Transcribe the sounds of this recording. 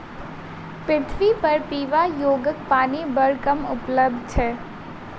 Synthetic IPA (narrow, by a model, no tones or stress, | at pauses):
pɾɪt̪ʰʋipɐɾpiːʋajoːɡək̚paːnibəɾkəmʊpləb̚d̪̚ʱt͡ʃʰɛː